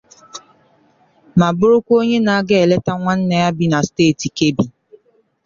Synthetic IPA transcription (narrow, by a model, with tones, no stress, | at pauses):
ma˨bʊ˦ɾʊ˦kʷo˦ɲe˦na˨a˦ɡe˦e˨le˦ta˦ŋʷa˦n̩˦ne˨ja˦bi˦na˨steː˦˨ti˨ke˦bi˨